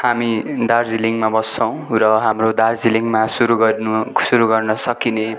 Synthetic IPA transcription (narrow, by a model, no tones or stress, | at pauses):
hamid̪ard͡ziliŋmabʌsʌw̃rʌɦamrod̪ard͡ziliŋmasuɾuɡʌnusuɾuɡʌrnʌsʌkine